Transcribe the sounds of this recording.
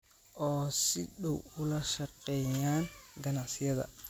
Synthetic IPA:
ʔɔːsɪɗɔwʊlɐʃɐqɛjaːnɡɐnaʕsɪjɐðɐ̰

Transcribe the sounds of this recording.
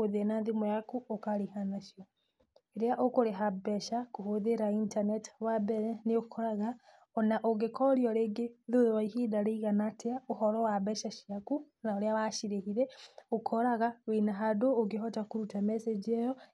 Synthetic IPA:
oðenaðemojakuokaɾehanaʃijɔ | eɾeaʔokoɾeɦabɛʃakohoðeɾaintanɛtwabɛɾɛneokʰɔɾaɣa | ɔnaʔoɡekʰɔɾjɔɾeːɡeðoðowaihidaɾeiɣanatʰeaohɔɾɔwabɛʃaʃiaku | naoɾeaβaʃiɾehiɾɛokʰɔɾaɣawenaɦadoːɡeɦɔtakuɾutamɛsed͡ʒjɔ

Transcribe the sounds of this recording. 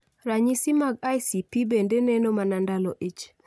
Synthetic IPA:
ɾaɲisimaɡajsipibendenɛnomanandalɔʔit͡ʃ

